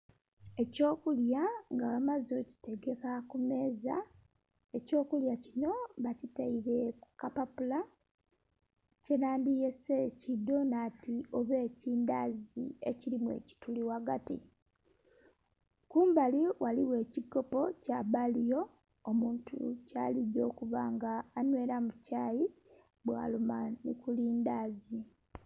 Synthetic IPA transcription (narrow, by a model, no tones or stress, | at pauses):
e̞co̞ːkuljaŋɡaamazo̞ci̥teɡe̞kakume̞ːza̰ | e̞co̞ːkuljacino̞βacitaiɾe̞ku̥kapapula | cenaːndije̞secidːo̞natioβe̞ːciːnda̰zḭe̞̰cilimwe̞̰ːci̥tuliwaɡa̰tḭ | kuːmbaliwʔaliwe̞ːciɡo̞po̞caβalijo̞ː | muːntʰṵca̰ːliɟo̞ːkuvaŋɡaːnwe̞ːɾamucaːji | bwa̰ːlumanḭkuliːndaːzi